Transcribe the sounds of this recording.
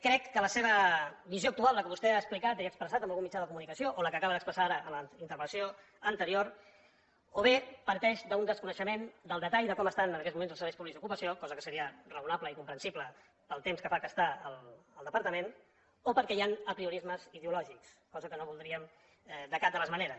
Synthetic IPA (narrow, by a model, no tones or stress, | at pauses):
kɾɛkːələseβ̞əβizjoək̚t̪ualˠːəkəβust̪eaəsplikat̪iəkspɾəsat̪əmbəlɣumit͡ʃaðəkumunikəsioʔoləkəːkaβəðəkspɾəsaaɾəːləint̪əɾβənsio | ənt̪əɾioɾ | oβ̞epəɾt̪ɛʃd̪əund̪əskunəʃəmend̪əlˠd̪ət̪aʎðəkɔməst̪anənəkɛt̪zmuenzəlˠsəɾβɛjspuβlikzðukupəsiokɔzəkəsəɾiərəunapləikumpɾənsiplə | pəlˠt̪emskəfakəst̪aələlˠd̪əpəɾt̪əmen | opəɾkɛjanəpɾiuɾizməziðeulɔʒikskɔzəkənoβulˠd̪ɾiəm | ɛd̪əkad̪ələzməneɾəs